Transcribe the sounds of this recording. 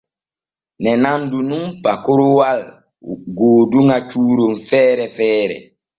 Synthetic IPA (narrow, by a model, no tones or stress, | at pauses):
nɛnandunumpakoɾuwal | ɡoːduŋat͡ʃuːɾomfɛːɾɛfɛːɾɛ̰